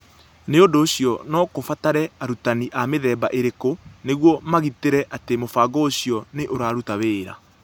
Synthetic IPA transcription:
neondoːɕjɔnɔkofataɾɛaɾutaniʔameðɛːbaʔeɾekoneɣwɔmaɣiteɾɛʔatemofaːɡɔoɕiɔneʔoɾaːɾutaβeːɾa̰

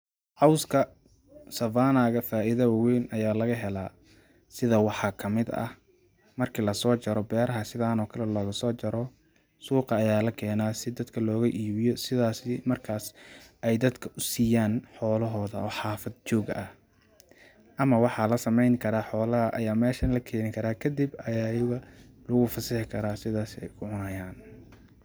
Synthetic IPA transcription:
ʕɑwskʰɐ | sɐvaːnaːɣɐfaːʔɪðɐwɑwɛjnʔɐjaːlɐɣɐɦɛlaː | sɪðɐwɑħɑːkʰɐmɪd̪ɐ̰ | mɐrkʰiːlɐsɔːt͡ʃɐɾɔbɛːɾɐɦɐsɪðaːnɔːkʰɐlɛlɔːɣɐsɔːt͡ʃɐɾɔ | suːqɑːjaːlɐkʰɛːnaːsɪd̪ɐd̪kʰɐlɔːɣɐʔiːβɪjɔsɪðaːsɪmɐrkʰaːsʔɛjd̪ɐd̪kʰɐʔʊsiːjaːnħɔːlɐɦɔːðɐɔːħɑːfɐd̪̚t͡ʃɔːɣʔɐh | ʔɐmɐwɑħɑlɐsɐmɛjnkʰɐɾaːħɔːlɐɦɐʔɐjaːmɛːʃɐnlɐkʰɛːnɪkʰɐɾaːkʰɐd̪ibɐjaːjɐɣɐ | lʊɣʊfɐsɪħɪkʰɐɾaːsɪðaːsɪɛ̰jkʰʊʕʊnɐjaːn

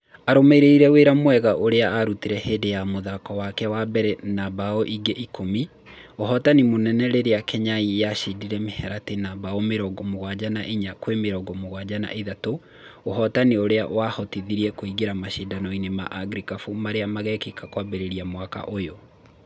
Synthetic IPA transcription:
aɾomeɾeiɾɛweɾamwɛɣaʔoɾeaːɾutiɾɛhedejamoðakɔwakɛwabɛɾɛnabaɔʔiɡeʔikomi | oɦɔtanimonɛnɛɾeɾeakɛɲaijaɕidiɾɛmehɛɾatenabaɔmeɾɔɡɔmoɣwad͡ʑanaʔiɲakwemeɾɔɡɔmoɣwad͡ʑana̰ʔeðato | oɦɔtanioɾeaʔwahɔtiðiɾiɛkoiɣeɾamaɕedanɔinema̰ʔaɡɾikafumaɾeamaɣɛkekakwabɛɾeɾiamwaka̰ʔojo

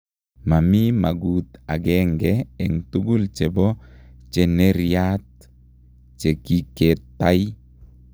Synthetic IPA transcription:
mamimaɡut̪aɡɛŋɡɛɛŋt̪uɡult͡ʃɛbɔt͡ʃɛnɛɾiat̪̚ | t͡ʃɛkikɛt̪ːai

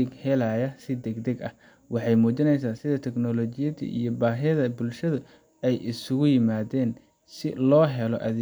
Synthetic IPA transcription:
ɪɡhɛlajɐsɪd̪ɛɡd̪ɛɡɐ̰h | wɑħɑjmuːt͡ʃɪnɛjsaːsɪðɐt̪ʰɛɡnɔlɔːt͡ʃɪjɐðḭʔḭjɔbaːɦɪðɐbʊlʃɐðʊ | ɛjʔɪsʊɣʊjɪmaːðɛːn | sɪ̰lɔːɦɛlɔ̰ʔɐðɪ

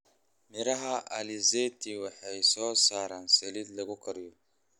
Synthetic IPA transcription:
mɪɾɐɦaʔalɪzet̪ʰiwɐħɛjsɔːsaːɾansɛlid̪lɐɡʊkʰɐɾjɔ

